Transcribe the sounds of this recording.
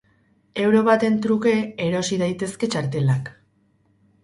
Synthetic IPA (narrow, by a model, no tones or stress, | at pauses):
e̞wɾo̞βat̪e̞nt̪ɾuke̞ːɾo̞siðajt̪e̞ske̞t͡ʃaɾt̪e̞lak